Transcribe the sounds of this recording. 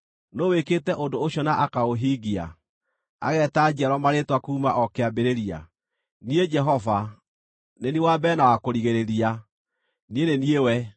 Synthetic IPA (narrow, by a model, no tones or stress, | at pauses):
noweketɛʔondooɕjɔnaʔakaoɦiɡia̰ | a̰ɣɛːtad͡ʒiaɾwɔmaɾetwakuːmaʔɔkeabeɾeɾia̰ | nied͡ʒɛɦɔva | neniwabɛnawakoɾiɣeɾeɾia | nieneniewɛ